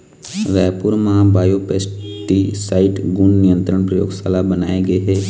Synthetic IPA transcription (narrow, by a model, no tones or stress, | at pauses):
ʋɛːpʊɾmãbaːjoːpeːs | ʈisaːɪʈɡunnɪjə̃nt̪ɾəɽ̃pɾɐjo̰ːɡsaːlabɐnaːeɡɐeɦɛː